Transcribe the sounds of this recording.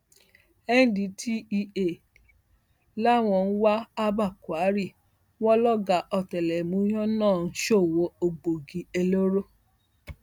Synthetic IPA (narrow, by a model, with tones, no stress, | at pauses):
ɛ˦n̩˨˦di˨˦tʰi˦i˧e˨ | la˦˨w̃ɔ̃˧n̩˦wa˦a˦ba˦˨kwa˨˦ɾi˦˨ | wɔ˦lɔ˦ɡa˨ʔɔ˧tɛ˨lɛ˨mũ˨˦jɔ̃˦nãː˦˨n̩˦ʃo˦˨wo˨˦o˧ɡ͡bo˨ɡi˨e˧lo˦ɾo˦